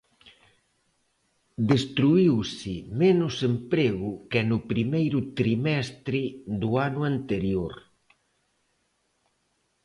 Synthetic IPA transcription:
d̪est̪ɾuiwsɪmenʊsempɾeɣʊkenʊpɾimejɾʊt̪ɾimɛst̪ɾɪðʊanʊant̪eɾjoɾ

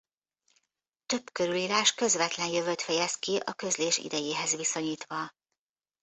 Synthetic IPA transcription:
t̪ø̞bkø̞ɾyliːɾaːʃkø̞zʋɛt̪lɛnjøvøt̪fɛjɛskiʔɒkø̞zleːʃḭd̪ɛjeːɦɛzʋiso̞ɲiːt̪ʋɒ

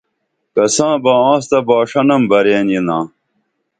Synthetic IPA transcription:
kɐsãːbaːãːst̪ɐbaːʂɐnɐmbɐɾeːninãː

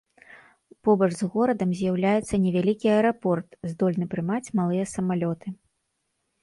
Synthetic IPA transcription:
pɔbɐʐzɣɔɾɐd̪ɐmzʲjawlʲajɛt̪sːɐnʲɛvʲalʲikʲiɐɛɾapɔrt̪zd̪ɔlʲnɨpɾɨmat͡sʲmalˠɨjɐsɐmalʲɔt̪ɨ

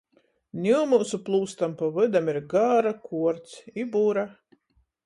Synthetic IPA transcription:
nʲimusuplˠuːst̪ampavɨd̪amiɾɡaːɾakʰuɔɾt̪sibuɾa

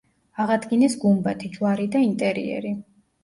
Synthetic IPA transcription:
aʁad̪ɡinɛsɡumbat̪ʰid͡ʒvaɾid̪aint̪ʼɛɾḭɛ̰ɾi

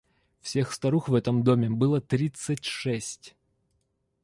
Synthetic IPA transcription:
fsʲexst̪ɐɾuxvɛt̪əmd̪omʲɪbɨlˠət̪ɾʲit̪sɨtʲʂɛsʲtʲ

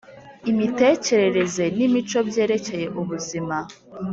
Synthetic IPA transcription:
imite̞ːce̞ɾe̞ɾe̞ze̞nimit͡ʃo̞bje̞ːɾe̞ce̞je̞ʔuβuzima

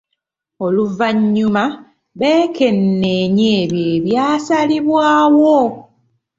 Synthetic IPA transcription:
o̞luvaɲːuma | βe̞ːke̞nːeɲeːβjeːβjaːsaliβwaːwo

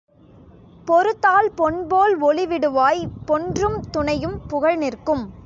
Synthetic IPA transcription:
pɔɾɯt̪ːaːlpɔɳboːlɔɭɪʋɪɽɯʋaːjpɔɳdrɯmt̪ʊɳɐjɯmpʊɣɐɭnɪrkɯm

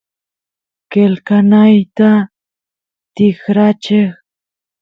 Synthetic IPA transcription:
kelkanajt̪a | t̪ɪkɾat͡ʃɪχ

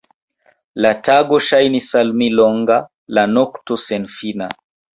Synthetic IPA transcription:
lataɡɔʃajnisalmilɔŋɡa | lanɔktɔsɛnfina

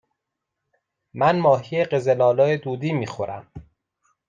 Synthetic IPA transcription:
mænmɒːɦijeɢezelɒːlɒːed̪uːd̪iːmiːxoɾʔæm

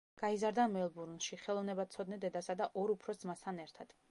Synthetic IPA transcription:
ɡ̥aizaɾd̪amɛlˠbuɾnʃiχɛlˠɔvnɛbat̪sʰɔd̪nɛd̪ɛd̪asad̪aʔɔɾupʰɾɔsd̪zmast̪ʰanɛɾt̪ʰad̪̥

